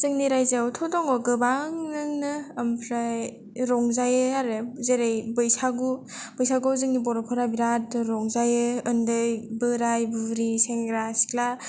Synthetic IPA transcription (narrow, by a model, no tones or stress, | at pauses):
z̥ɯŋniɾajzawtʰɔdɔŋɔɡɯbaŋnɯŋnɯampʰɾaj | ɾɔŋzajɯaɾɯzeɾejbɯjsaɡu | b̥ɯjsaɡɯzɯŋnibɔɾɔpʰɯɾabiɾat̚ɯɾɔŋzajɯɯndɯjbɯɾajbɯɾiseŋɾasi̥kla